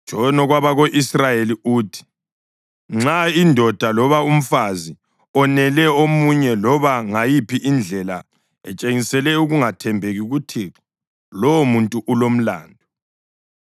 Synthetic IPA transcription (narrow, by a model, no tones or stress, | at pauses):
d̥ʒ̥ʱɔnɔɣwaβaɣoʔisrajeliuːtʰi̥ | ŋ͡ǁaindʱɔd̥ʱalɔβaum̩fazi | ɔnɛlɛomuɲɛlɔβaŋajipʰiʔind͡ɮʱɛla̰ | ɛ̰t͡ʃʼeŋisɛlɛuɣuŋatʰɛmbʱeɣiɣutʰiːǁɔ̥ | lɔwmuntʼuʔulom̩la̰ːndʱɔ